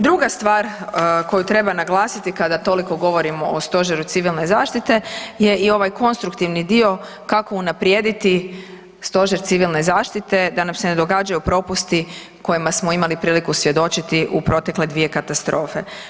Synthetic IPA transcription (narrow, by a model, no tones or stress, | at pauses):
d̪ɾuɡast̪ʋaːɾko̞jut̪ɾe̞banaɡlˠaːsit̪ikad̪at̪o̞liko̞ɡo̞ʋo̞ɾimo̞ost̪o̞ʒeɾut̪siʋilˠne̞zaːʃt̪it̪e̞je̞ʔio̞ʋajko̞nst̪ɾukt̪iʋnid̪io̞ | kako̞unapɾjeːd̪it̪i | st̪o̞ʒeɾt̪siʋilne̞zaːʃt̪it̪e̞d̪anamse̞ned̪o̞ɡaːd͡ʒajupɾo̞pust̪i | ko̞jimasmo̞imalipɾiːlikusʋje̞d̪o̞t͡ʃit̪iʔupɾo̞t̪e̞kle̞d̪ʋie̞kat̪ast̪ɾo̞ːfe̞